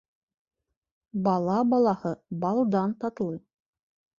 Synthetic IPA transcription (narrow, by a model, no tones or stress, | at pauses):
bɑlˠɑbɑlˠɑhɤbɑlˠd̪ɑnt̪ɑt̪lˠɤ